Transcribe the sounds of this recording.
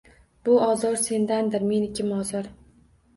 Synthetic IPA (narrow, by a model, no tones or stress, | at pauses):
b̥ʊɒzɒɾse̞nd̪and̪ɪɾme̞nɪkʲʰɪmɒzɒɾ